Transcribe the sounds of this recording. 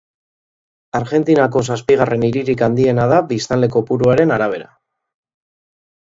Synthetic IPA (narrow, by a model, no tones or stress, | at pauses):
aɾʝe̞nt̪inako̞s̬aspiɣ̞are̞niɾiɾikand̪ie̞naðabist̪anle̞ko̞puɾuaɾe̞naɾaβ̞e̞ɾa̰